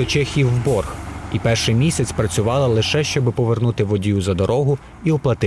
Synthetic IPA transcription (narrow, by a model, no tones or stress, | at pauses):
ɔt͡ʃɛxʲiwbɔrxipɛrʃɪmʲisʲɐt͡sʲpɾɐt͡sʲʊʋɑlˠɐlˠɪʃɛʃt͡ʃɔbɪpɔʋernut̪ɪʋɔdʲjuzɐd̪ɔɾɔɦʊ | iɔplˠɐt̪ɪ